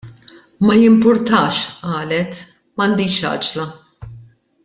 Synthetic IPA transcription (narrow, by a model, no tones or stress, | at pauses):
mɐjɪmpʊɾt̪ɐːʃʔɐːlɛt̪ | mɐnd̪iːʃɐ̰ːd͡ʒlɐ